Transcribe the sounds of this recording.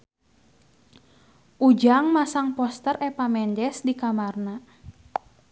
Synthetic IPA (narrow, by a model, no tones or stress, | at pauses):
ʔud͡ʒaŋmasaŋpɔst̪ərʔɛpamɛɲd͡ʒɛsdikamarna